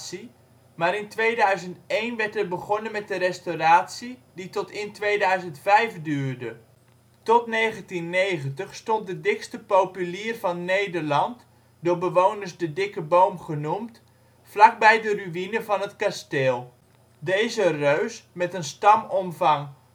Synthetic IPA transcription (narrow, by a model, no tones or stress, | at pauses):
si | maːɾɪntʋeːdœɥzəntejnʋɛɹtɛrbəɣɔnənmɛt̚dərɛstowraːtsiditɔtɪntʋeːdœɥzəntfɛjfdyːrdə | tɔtneːχəntinːejχəntəχstɔnt̚dədɪkstəpowpyliːrvɑnːejdərlɑnt | dʊːbəʋownərsdədɪkəbowmχənumt | flak̚bɛjdəryʋinəvɑnətkasteːlˠ | dejzərøɥsmɛtənstɑmɔmvɑŋ